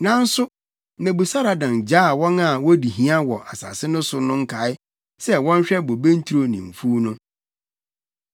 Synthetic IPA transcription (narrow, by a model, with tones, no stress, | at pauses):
nã˦n̩˦sʊ˦ | nã˨bu˨sa˦ɾa˨dã˨nd͡ʑaː˦˨wɔ̃˦na˨wɔ˦di˨ɦĩ˦a˦wɔ˨ʔa˨sa̰ː˨sɪ˦nʊ̃˦sʊ˦nʊ̃˦ŋ̩˦kʰa˨˦ɪ˦ | sɛ˦wɔ̃˦n˦ɕᶣɛ˦bo˨bẽ˦n̩˦tʰu˦ɾo˦nḭ̃˨m̩˨fu˦nʊ̃˦